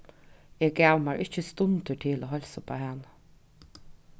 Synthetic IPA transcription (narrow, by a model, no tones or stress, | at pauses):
eːɡæʊmæːɹʔɪçəst̪ʊnd̪əʈʰɪloːhɔlsəpʰo̰ːhɛn